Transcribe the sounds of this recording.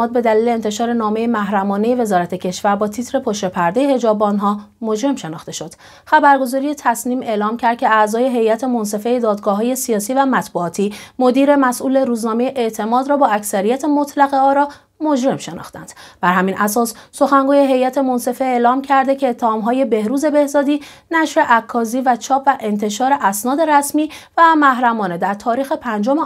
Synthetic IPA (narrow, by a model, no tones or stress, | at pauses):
ɒːd̪̚be̞d̪æliːle̞ːnt̪ʰe̞ʃɒːɾe̞nɒːme̞jemæɦɾæmɒːne̞je̞ve̞zɒːɾæt̪ʰecʰe̞ʃvæɾbɒːt̪ʰit̪ʰɾe̞pʰoʃɾepʰæɾd̪ejehe̞d͡ʒɒːbnɦɒː | mod͡ʒɾe̞mʃe̞nɒ̰ːxt̪e̞ʃo̞d̪̥ | xæbæɾɡo̞zɒːɾije̞t̪ʰæsniːme̞ːlɒːmcʲʰæɾd̪̚cʰe̞æzɒːje̞ɦe̞jæt̪ʰe̞monse̞fe̞jed̪ɒːd̪ɡɒːɦɒːje̞sijɒːsiːvæmæt̪buɒːt̪ʰiːmod̪iːɾe̞mæsʔuːle̞ɾuːznɒːmejeʔeʔt̪ʰe̞mɒːd̪ɾɒːbɒːæcsæɾijæt̪ʰe̞mot̪ʰlæɣeɒːɾɒː | mod͡ʒɾe̞mʃe̞nɒ̰ːxt̪æ̰nd̪̥b̥æɾɦæminʔæsɒːsːo̞xæŋɡuːje̞ɦe̞jæt̪ʰe̞mo̞nse̞fe̞eːlɒːmcʰæɾd̪ecʰe̞ːt̪ʰːehɒːmɦɒːje̞be̞hɾuːze̞be̞hzɒːd̪iː | næʃɾe̞ʔækʰːɒːziːvæt͡ʃʰɒːpvæʔe̞nt̪ʰe̞ʃɒːɾe̞ʔæsnɒːd̪e̞ɾæsmiːvæmæɦɾæmɒːne̞d̪æɾt̪ʰɒːɾiːxe̞pʰænd͡ʒome